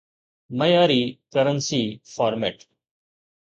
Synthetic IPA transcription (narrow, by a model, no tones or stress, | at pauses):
mɐjaːɾiːkəɾənsiːfaːɾmeːʈ